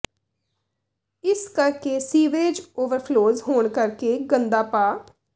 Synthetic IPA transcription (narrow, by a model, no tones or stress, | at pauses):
ɪskəɾkeːsiːʋeːd͡ʒoːʋəɾpʰloːzɦoːɳkəɾkeːɡənd̪aːpaː